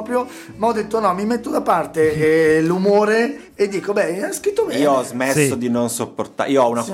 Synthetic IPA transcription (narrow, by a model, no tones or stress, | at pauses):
pɾjo | maɔd̪ːet̪ːonɔmimet̪ːod̪apart̪elumoːɾeː | d̪ːiːkobɛɛskɾit̪ːomɛioɔzmessːod̪inonsopːort̪a̰iːoɔuna